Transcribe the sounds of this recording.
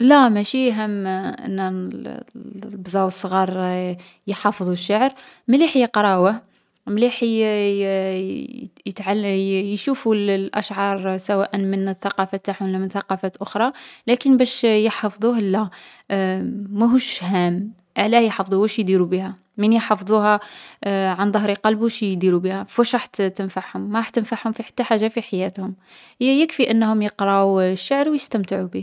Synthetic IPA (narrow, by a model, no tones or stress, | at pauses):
læmæʃiɦəmːʔə̰nːæ | bzˤɑwəsˤːɣɑɾˤ | jəħɑfd̪ˤuʃːaʕɾ | mliħjəqɾˤɑwəh | mliħ | jət̪ʕaljʃufullʔæ̰ʃʕɑɾˤsæwæʔənmənəθːɑqɑfæt̪ːaħwəlːæmənθɑqɑfæt̪ʔʊxɾˤɑlækənbæʃjəħɑfd̪ˤuhəlːæ | æɦuʃhæm | ʕalæhjħɑfd̪ˤuwæʃjd̪iɾubihæ | mənjħɑfd̪ˤuhɑ | ʕand̪ˤɑhɾiqɑlbuʃjd̪iɾubihæfuʃɾˤɑħt̪t̪ənfaʕhʊmːaɾˤɑħt̪ːənfaħhʊmfiħḁt̪ːaħaʒːafiħajæt̪hʊm | jəkfiʔənːhʊmjəqɾˤɑuʃːaʕɾwjəst̪əmt̪əʕubih